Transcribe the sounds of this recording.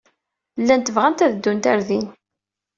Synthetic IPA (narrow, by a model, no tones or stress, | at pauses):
lːænt̪əvʁænt̪æðəd̪ːunt̪æɾðin